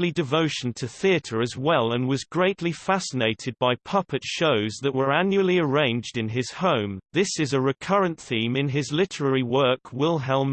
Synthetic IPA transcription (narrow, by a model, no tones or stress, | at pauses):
lidɨvoʊʃn̩tʰɨθiɨɾə˞ɨzwɛlˠə̃nwʌzɡɹeɪʔˡlifæsəneɪɾɨd̚baɪpʰʌpɨtʃoʊzðɨʔ̚wə˞æ̃njul̩ˠiə˞ẽɪ̃nd͡ʒdɨ̃nɪz̥hõʊ̃mðɪsɨzɨɹɨkʰʌɹɨ̃nθĩmɨ̃nɪzlɪɾə˞ɛɹiwɜ˞kʰwɪlˠɦɛlˠm